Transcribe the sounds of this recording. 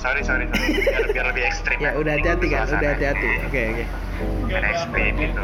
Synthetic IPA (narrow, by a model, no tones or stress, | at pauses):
saɾisaɾisiabiarləbɪhɛkst̪ɾimjaudaɦat̪iɦat̪ikanudaɦat̪iɦat̪iokeoke | iaɾɛkst̪ɾimɡit̪u